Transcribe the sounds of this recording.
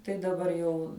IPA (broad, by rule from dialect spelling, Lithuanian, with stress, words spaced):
tɐɪ dɐˈbɐr jɛʊ